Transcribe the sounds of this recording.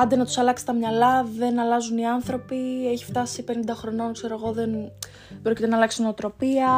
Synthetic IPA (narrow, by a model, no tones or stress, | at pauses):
ɐnd̪enɐt̪u̥sɐlɐksi̥t̪ɐmɲɐlɐðe̞nɐlɐzuniɐnθɾo̞pieçi̥ft̪ɐsipe̞nind̪ɐxɾo̞no̞nkse̞ɾo̞eɣo̞ðe̞n | b̥ɾo̞cit̪enɐlɐksnoot̪ɾo̞piɐ